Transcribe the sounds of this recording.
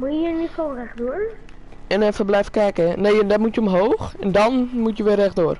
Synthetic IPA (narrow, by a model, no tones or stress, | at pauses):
muənʋiforɛxduər | ɛnəfərblɛfkɛkəneːɛndɔtmutjəəmɦoːxɛndɔnmutjəʋɪərɛxdoər